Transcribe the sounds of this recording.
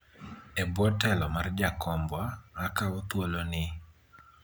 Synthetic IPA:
ɛbwɔtɛlɔmard͡ʒakʰɔmbwaŋakaɔt̪wolonɪ

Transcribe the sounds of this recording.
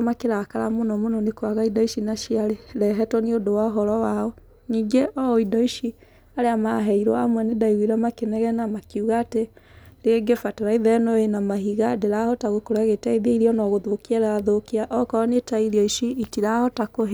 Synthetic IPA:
makeɾakaɾamonɔmonɔnekwaɣaidɔiʃinaʃiaɾeɾɛɦɛtwɔneodowaoɦɔɾɔwaɔ | niːŋɡeʔɔidɔiʃi | aɾeamaɦɛiɾɔa̰mwɛnedaiɣeɾamakenɛɣɛnamakuɣaːteɾeɡefateɾaiðɛnɔenamaɦiɣadeɾahɔtaɣokoɾaɣetɛiðeiɾiɔnɔɣoðokiaɾaaðokiaʔɔkɔɔnetaiɾiɔiʃiitiɾahɔtakoɦe

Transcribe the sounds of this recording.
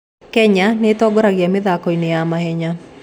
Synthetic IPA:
kɛɲanetɔɡɔɾaɣjameðakɔinejamaɦɛɲa

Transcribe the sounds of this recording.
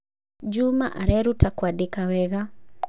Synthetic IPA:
d͡ʒuma̰ʔaɾɛɾutakwadekawɛɣa

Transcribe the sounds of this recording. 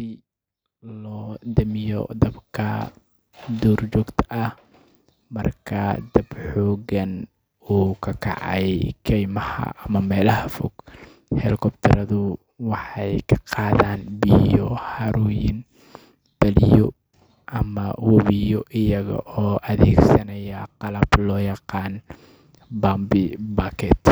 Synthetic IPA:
i | lɔːd̪ɐmɪjɔ̰d̪ɐbkʰɐ | d̪ɔːrd͡ʒɔːɡt̪ʰɐʔɐh | mɐrkʰɐd̪ɐb̥ħɔːɣɐn | uːkʰɐkʰɑ̰ʕɑ̰jkʰɛjmɐhɐ̰ʔɐmɐmɛːlɐɦɐfɔɡ̥ | hɛlɪkʰɔbt̪ʰɐɾɐðʊ | wɑħɑjkʰɐ̥qɑːðaːnbijɔhɑɾɔːjɪn | b̥ɐlɪjɔ | ʔɐmɐwɐβɪjɔʔɪjɐɣɐ̰ʔɔːʔɐðɛːɡsɐnɐjɐqɑlɐb̥lɔːjɑqɑːn | bambɪbaːkʰɛːt̪

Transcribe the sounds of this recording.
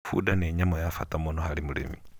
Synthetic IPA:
fṵdaneɲamɔjafa̰tamonɔhaɾimuɾḛmi

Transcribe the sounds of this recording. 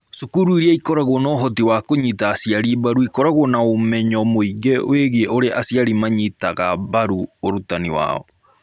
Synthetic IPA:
sukuɾuiɾiaikɔɾaɣonɔːɦɔtiwakoɲitaːsiaɾibaɾuikɔɾaɣonaomɛɲɔmoiɣɛw̰eɣieʔoɾeʔasiaɾimaɲitaɣabaɾuoɾutaniwa̰ɔ̰

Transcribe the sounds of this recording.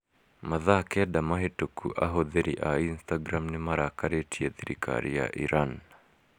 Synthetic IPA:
maðakɛdamaɦetokʰuʔaɦoðeɾiʔainstaɡɾamnemaɾakaɾetʰiɛðiɾḭkʰa̰ɾija̰ʔiɾan

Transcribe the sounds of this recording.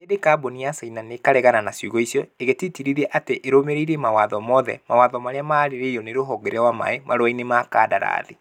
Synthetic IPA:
edekabɔniasainanekaɾɛɣananasjuɣɔisjɔeɣetitiɾiɾɛʔateʔeɾomeɾeiɾemawaðɔmɔðɛ̰mawaðɔmaɾeamaɾeɾeɔneɾoɦɔɡɛɾɛwama̰emaɾoainemaka̰daɾa̰ːðe

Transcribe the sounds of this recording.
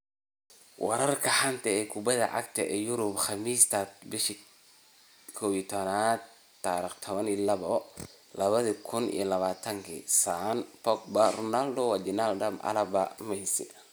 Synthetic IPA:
wɑ̰ɾɐrkʰɐħant̪ʰɐɛːkʰʊbɐðɐ̰ʕa̰kt̪ʰɐʔɛjʊɾʊbχɑmiːst̪ʰɐt̪bɪʃi | kʰɔːwit̪ʰɔnaːd̪̚ | t̪aɾiχt̪ʰɔβɐnilɐβɔ | lɐβɐðikʰʊnḭːlɐβaːt̪ʰɐŋkʰḭsanpɔk̚bɐrɔnald̪ɔwad͡ʒɛnald̪ɐmʔɐ̰lɐbɐmɛjsɪ̰

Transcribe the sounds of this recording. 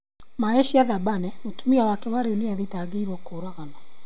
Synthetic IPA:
maeɕiaðabanɛmotumiawakɛwaɾeoneaðitaɡeiɾɔkoːɾaɣanɔ

